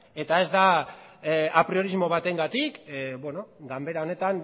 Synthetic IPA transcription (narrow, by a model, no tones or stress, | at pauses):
e̞t̪ae̞zd̪a | apɾio̞ɾizmo̞β̞at̪e̞ŋɡat̪ikbweno̞ɡambe̞ɾao̞ne̞t̪an